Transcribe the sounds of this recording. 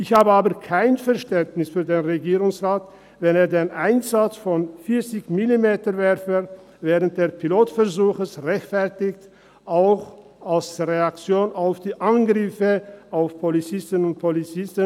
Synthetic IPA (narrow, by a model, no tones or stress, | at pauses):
ʔɪçhaːbəaːbɐkʰaɪnfɛɐʃtɛntnɪsfyːɐdeːnʁeɡiːʁʊŋsʁaːt | vɛneːɐdeːnʔaɪnzat͡sfɔnfɪɐt͡sɪçmilimeːtɐvɛʁfə | vɛːʁənt̚d̥eːɐpʰiloːtfɛʁzuːxəsʁɛçtfɛɐtɪçt | ʔaʊx | ʔalsʁeak̚t͡sjoːnaʊfd̥iːʔanɡʁɪfəʔaʊfpʰolit͡sɪstənʊnt̚pʰolit͡sɪstə